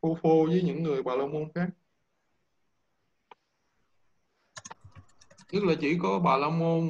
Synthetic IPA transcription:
o˧fo˧zəː˨˦jɲɨ̰˧˥ŋːɨ˨˩əjɓaː˨˩laː˧wmo˧nxaː˦˥k̚ | ɲə˦˥t̚laː˨˩t͡ɕḭ˧˩kɔ˨˦ɓaː˨˩laː˧mo˧n

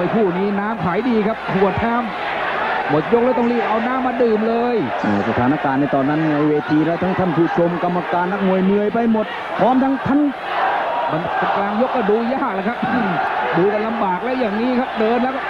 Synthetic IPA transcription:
jpʰuː˥˩niː˦˥naː˦˥mkʰaː˩˦jdiː˧kʰa˦˥p̚kʰu˨˩ət̪ʰːaː˥˩m | mɔː˨˩a˧jo˦˥k̚lɤː˧˦jt̪ɔ˥˩ŋliː˥˩ʔa˧wnaː˦˥mːaː˧dɯː˨˩mlɤː˧jʔaː˧˩sa˧t̪ʰaː˨˦na˦˧˥kaː˧nːa˥˩t̪ɔː˧nːa˦˥nː˧˩˧weː˧t̪ʰiː˧lɛː˦˥˩t̪ʰa˦˥ŋt̪ʰa˥˩npʰuː˧˩t̪̚t͡ɕʰo˧mka˧mːa˧kaː˧nːa˦˥k̚mu˧˩əjmɯ˧əjpa˧jmo˨˩t̪̚ | pʰɔː˦˥˨mt̪ʰa˦˥ŋt̪ʰa˦˥˩n | ba˧n˧ka˧klaː˧ŋjo˦˥kːɔː˥˩duː˧jaː˥˩k̚la˧˩jkʰa˦˥p̚ːduː˧ka˧nla˧mbaː˨˩k̚lɛː˦˥wjaː˨˩ŋniː˦˥kʰa˦˥p̚dɤː˧nlɛː˦˥wkː

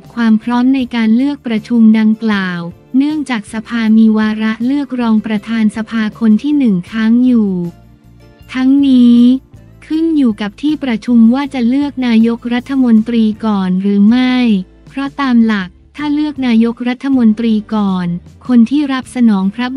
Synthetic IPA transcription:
kʰwaː˧mpʰɾɔː˦˥mna˧jkaː˧nlɯ˥˩ək̚pɾa˧t͡ɕʰu˧mda˧ŋklaː˨˩w | nɯ˥˩əŋt͡ɕaː˨˩k̚sa˧pʰaː˧miː˧waː˧ɾa˦˥lɯ˥˩ək̚ɾɔː˧ŋpɾa˧t̪ʰaː˧nsa˧pʰaː˧kʰo˧nt̪ʰiː˥˩nɯ˨˩ŋkʰaː˦˥ŋjuː˨˩ | t̪ʰa˦˥ŋniː˦˥ | kʰɯ˥˩njuː˨˩ka˨˩p̚t̪ʰiː˥˩pɾa˧t͡ɕʰu˧mwaː˥˩t͡ɕa˨˩lɯ˥˩ək̚naː˧jo˦˥k̚ɾa˦˥t̪ʰːa˧mo˧nt̪ɾiː˧kɔː˨˩nɾɯː˩˦ma˥˩j | pʰɾɔ˦˥t̪aː˧mla˨˩k̚t̪ʰaː˥˩lɯ˥˩ək̚naː˧jo˦˥k̚ɾa˦˥t̪ʰːa˧mo˧nt̪ɾiː˧kɔː˨˩nkʰo˧nt̪ʰiː˥˩ɾa˦˥p̚sa˧nɔː˩˦ŋpʰɾa˦˥

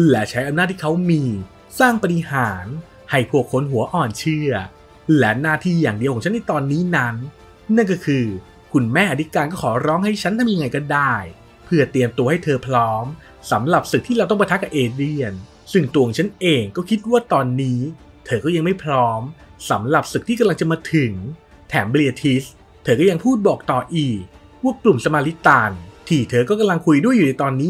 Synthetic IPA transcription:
lɛ˨˦˥t͡ɕʰa˦˥jʔa˧mnaː˥˩t̪̚ʰi˥˩kʰa˦˥wmiː˧ | saː˥˩ŋpa˧ɾi˧haː˩˦n | ha˨˩jpʰu˨˩əkʰːo˧nɦu˨˩˦ɐʔɔː˨˩nt͡ɕʰɯ˥˩ɐ | lɛ˦˥naː˥˩t̪ʰiː˥˩jaː˨˩ŋdi˧wkʰɔ˩˦t͡ɕʰa˦˥nːʔa˧˥˩t̪ɔː˧nːiː˦˥na˦˥nː | a˥˩nkɔ˥˩kʰɯː˧ | kʰu˧nmɛː˥˩ʔa˧t̪ʰi˦˥kaː˧nkɔː˥˩kʰɔː˩˦ɾɔː˦˥ŋha˥˩jt͡ɕʰa˦˥nt̪ʰa˥˧m˧ja˧ŋa˧jkɔː˥˩daː˥˩j | pʰɯ˥˩ɐt̪i˨əmt̪u˧ha˥˩jt̪ʰɤː˧pʰɾɔː˦˥m | sa˩˦mɾa˨˩p̚sɯ˨k̪̚ʰiː˥ɾaː˧wt̪ɔ˥˩pa˧t̪ʰa˦˥kːa˨˩pʔeː˧di˧˩ən | sɯ˥˩ŋt̪u˧˨˧ŋt͡ɕʰa˦˥nʔeː˧ŋkɔː˥˩kʰi˦˥t̪̚waː˥˩t̪ɔː˧nːiː˦˥ | t̪ʰɤː˧kɔː˥˩ja˧ŋma˥˩jpʰɾɔː˦˥msa˩˦mɾa˨˩p̚sɯ˨˩k̚t̪ʰiː˥˩ka˧la˧ŋt͡ɕa˨˩maː˧t̪ʰɯ˩˦ŋ | t̪ʰɛː˩˦mbli˧a˧t̪ʰi˦˥s | t̪ʰɤː˧kɔː˥˩ja˧ŋpʰuː˥˩t̪̚bɔː˨˩k̚t̪ɔː˨˩ʔiː˨˩k̚ | wu˥˩əklu˨˩msa˧maː˧li˦˥t̪aː˧˩nt̪ʰiː˨˩t̪ʰɤː˧kɔː˥˩ka˧mla˧ŋkʰu˧jdu˥˩juː˨˩na˧jt̪ɔː˧nːiː˦˥

